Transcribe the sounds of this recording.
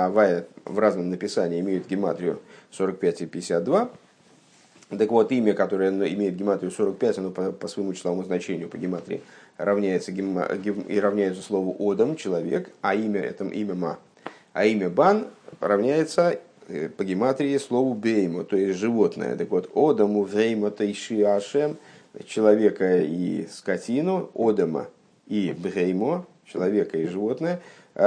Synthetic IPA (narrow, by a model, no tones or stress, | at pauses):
avajɪvraznəmnəpʲɪsanʲɪːmʲejɪt̪ɡʲɪma̰t̪ɾʲɪʊso̞ɾək̚pʲætʲɪpʲɪdʲɪsʲat̪̚d̪va | t̪əkvo̞t̪imʲəkɐt̪o̞ɾəjənoɪ̰mʲejɪt̪̚ɡʲɪmat̪ɾʲɪʊso̞ɾək̚pʲætʲɐno̞pəpəsvəjɪmut͡ɕɪ̥sˠɐvomʊznɐt͡ɕenʲɪjʊpəɡʲɪmat̪ɾʲɪ̰ɪrɐvnʲæjɪt̪səɡʲɪ̰ɡʲɪiɾɐvnʲæjɪt̪sə̥slˠo̞vʊʔod̪əmt͡ɕɪlˠɐvʲekɐimʲəʔɛ̰t̪əmʔimʲəma̰ | a̰imʲəbanrɐvnʲæjɪt̪səpəɡʲɪmat̪ɾʲɪɪslˠo̞vʊbʲejmot̪o̞jɪsʲʐɨvo̞t̪nə̰jə̰t̪əkvo̞t̪od̪əmʊvʁʲejmot̪əiʂɨaʂɛmt͡ɕɪlˠɐvʲe̞kəḭskɐtʲinʊod̪əmə̰ | ibʁʲejmo | t͡ɕɪlˠɐvʲe̞kəiʐɨvo̞t̪nəjə